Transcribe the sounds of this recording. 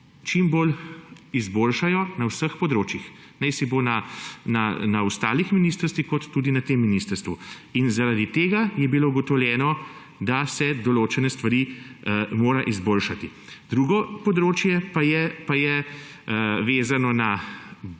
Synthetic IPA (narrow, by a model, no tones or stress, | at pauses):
t͡ʃimbol | izboːlʃajɔnawsəxpɔd̪ɾoːt͡ʃjix | nɛɪsibonananaust̪aːlixminiːst̪əɾst̪ʋixkɔt̪ːuːd̪inat̪emːiniːst̪əɾst̪ʋu | inzaɾad̪it̪eːɡajɛbilouɡɔt̪ɔwljɛːnɔ | d̪asɛd̪ɔloːt͡ʃɛnɛst̪ʋaɾi | moːɾaʔizboːlʃat̪i | d̪ɾuːɡɔpɔd̪ɾoːt͡ʃjɛpajɛpajɛ | ʋeːzanɔna